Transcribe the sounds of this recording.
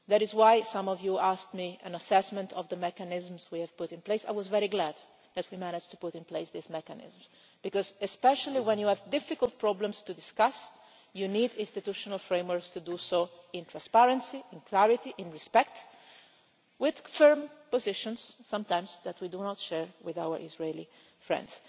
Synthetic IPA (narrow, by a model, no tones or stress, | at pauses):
ðæɾɪzwajsãmɔvjuaskt̪miɛ̰̃nasɛsmɛ̃nt̪ʰɔvd̪əmɛkanɪzmzwiɛv̥pʊtɪ̃npleɪsa̰ɪjwɔzvɛɾiɡlæd̪ | ðæt̪ʰwimænɪd͡ʒt̪u̥pʊɾɪ̃npleɪsðizmɛkanɪ̰zms | b̥ikɔzɛspɛʃaliwɛ̃njuævd̪ɪfɪkəlˠt̪̚pɹɔblə̃mst̪ud̪ɪskas | junid̪ɪ̃nst̪it̪uʃɔnalfɹẽɪ̃mwəɹkst̪ud̪usoɪ̃nt̪ʰɹãnspaɹə̃nsiɪ̃nkʰlæɹɪt̪iʔɪ̃nɹɪspɛk̚t̪ | wɪð̥fɜɹmpɔzɪʃɔ̃nsːãmt̪ãj̃mzðæt̪wid̪unɔt̪ʃɛɹwɪðawə̰ɹʔɪzɹeli | fɹɛ̰̃nds